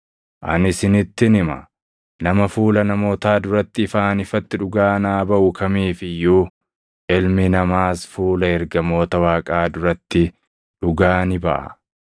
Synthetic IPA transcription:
ʔɐ̰nɪsɪnɪt̪ːɪnɪmɐ̰ | nɐmɐfuːlɐnɐmo̞ːt̪aːd̪ʊɾɐt̪ːɪːfaːnɪfɐt̪ːɪᶑʊɡaːnaːbɐʔʊkʰɐmiːfɪjːuː | ʔɪlmɪnɐmaːsfuːlɐɛɾɡɐmo̞ːt̪ɐwaːkʼaːd̪ʊɾɐt̪ːɪ | ᶑʊɡaːnɪbɐʔɐ̰

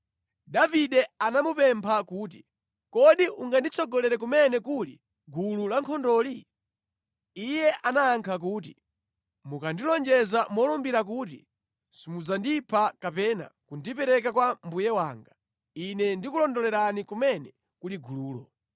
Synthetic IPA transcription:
daviɗɛanamupɛmpʰakuːt̬i | kɔɗiʔuŋɡandit͡sʰɔɡɔlɛɾɛk̬umɛnɛkulḭ | ɡululaŋkʰɔndɔːli | jɛʔanaːŋkʰak̬uːt̬i | mukandilɔnd͡ʒɛzamɔlɔmbiɾak̬uːtḭ | simud͡zandipʰakapɛna̰kundipɛɾɛkakwambujɛwaːŋɡa | inɛndikulɔndɔlɛɾanikumɛnɛ | kuliɡuluːlɔ̰

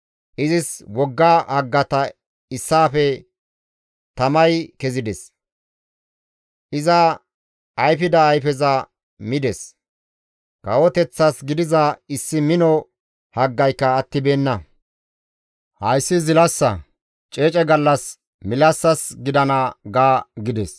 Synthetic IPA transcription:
ʔɪzɪswɔɡːaːhɐɡːɐt̪ɐ | ɪsːaːfɛ | t̪ɐmɐjkɛzɪd̪ɛs | ʔɪzɐ | ɐjfɪd̪ɐːjfɛzɐ | mɪd̪ɛs | kɐwɔt̪ɛt͡sːɐsɡɪd̪ɪzɐɪsːɪmɪnɔ | hɐɡːɐjkːɐːt̪ːɪbe̞ːnːɐ | hɐjsːɪzɪlɐsːɐ | t͡ʃʼeːt͡ʃʼɛɡɐlːɐs | mɪlɐsːɐsɡɪd̪ɐnɐɡaːɡɪd̪ɛs

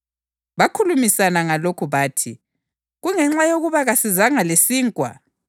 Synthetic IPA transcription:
βakʰulumisanaŋalokʰuβaːtʰḭ | ɣuŋɛŋ͡ǁajoɣuβaɣasizaŋalesiːŋkʼwa̰

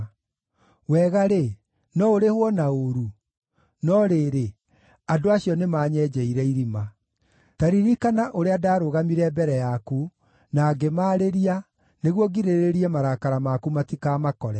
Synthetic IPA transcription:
wɛɣaɾe | nɔoɾehwɔnaoɾu | nɔɾeːɾe | adoaɕjɔnemaːɲɛːd͡ʒɛiɾɛiɾima | taɾiɾikanaʔoɾeadaːɾoɣamiɾɛːbɛɾɛjaku | naːɡemaːɾeɾia | neɣwɔɡiɾeɾeɾiɛmaɾakaɾamakumatikaːmakɔɾɛ

